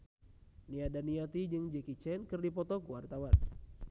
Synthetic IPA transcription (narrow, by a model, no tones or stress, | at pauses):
niadaniat̪id͡ʒɨŋd͡ʒɛkit͡ʃɛnkɨrdipɔt̪ɔkuwart̪awan